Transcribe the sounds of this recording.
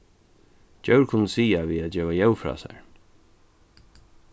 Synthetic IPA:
d͡ʒœwɹkʰʊnːəsiːaviːad͡ʒɛːʋajɛwfɾɑ̰ːsa̰ɹ

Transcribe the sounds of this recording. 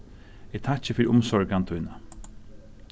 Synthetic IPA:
ɛt̪ʰat͡ʃəfiːɾʊmsɔɹɡant̪ʰujnə

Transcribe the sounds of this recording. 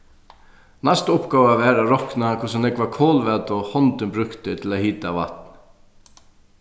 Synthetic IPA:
nast̪ʊpkaːvaʋɛːɾaɾɔknakʰʊs̬ɔnlɛkvakʰoːlvɛt̪ɔhɔnt̪ɪnbɾʏkt̪ɪt̪ʰɪlahiːt̪aʋa̰t̪n

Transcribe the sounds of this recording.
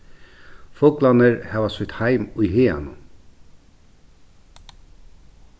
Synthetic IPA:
fɔklanəɹhaʋasʏt̪hajmʊjheːa̰nʊ̰

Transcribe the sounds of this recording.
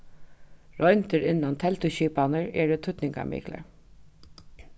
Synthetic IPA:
ɹɔjnt̪əɾɪnːant̪ʰɛlt̪ʊʃiːpanəɹɛɹɪt̪ʰʊt̪nɪŋka̰mḭːklə̰ɹ

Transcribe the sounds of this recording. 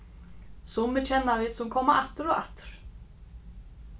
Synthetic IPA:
sumːɪt͡ʃʰɛnːavɪːt̪sɛmkʰɔːmaʔaht̪ʏɾɔɣa̰ht̪ʏ̥ɾ̥

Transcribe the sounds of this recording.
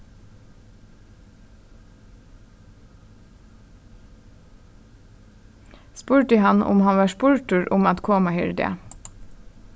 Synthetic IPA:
spuːʈiːhɑnʔʊ̰mhɑnʋɑːʃpʊɹʈʉɾʔʊmɑt̪kʰoːmɑhʏ̰ɹd̪ɪ̰ə̰

